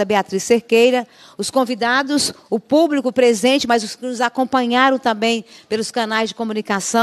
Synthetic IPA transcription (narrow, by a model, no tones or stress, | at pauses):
ɐbeat̪ɾisːeɾkejɾɐ | ʊskõvid̪ad̪ʊsʊpublikʊpɾezẽnt͡ʃɪmɐzʊskɪnʊzakõpɐ̃ɲaɾɐ̃w̃t̪ɐ̃bẽj̃pelʊskɐ̃najzd͡ʒɪkõmunikasɐ̃